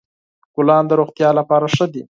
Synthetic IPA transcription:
kʊlɑnd̪əɾoxt̪jɑlapɑɾaʂəd̪i

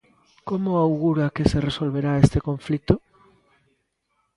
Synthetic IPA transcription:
komoawɣuɾakeseresolβeɾaest̪ekoɱflit̪o

